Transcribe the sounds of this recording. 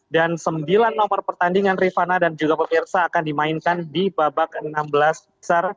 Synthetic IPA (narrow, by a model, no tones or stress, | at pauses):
dansəmbilanːɔmərpərt̪andiŋanrifanadand͡ʒuɡapəmirsaːkandimainkandibabak̚ənːambəlasbəsar